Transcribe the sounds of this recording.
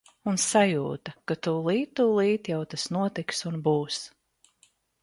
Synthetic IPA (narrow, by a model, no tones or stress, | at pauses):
unsajuːt̪akat̪uːlˠiːt̪̚ːulˠiːt̪jawt̪asnuɔt̪iksunbuːs